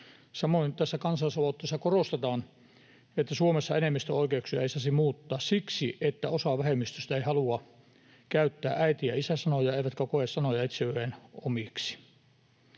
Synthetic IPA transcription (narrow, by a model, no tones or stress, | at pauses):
sɑmoint̪æsːækɑnsɑlˑisɑʋɑˑut̪ːˑeˑsːɑkorost̪et̪ɑːn | et̪ːæsuomesːɑenemːist̪øoikeuksyæisæsimuːt̪ːɑːssiksiet̪ːæosɑʋæhemːist̪yst̪æeihɑluɑ | kæyt̪ːæːʔæit̪ijɑisæsɑnojɑeˑiʋæt̪kækoessɑnojɑit̪seyhenomiksi̥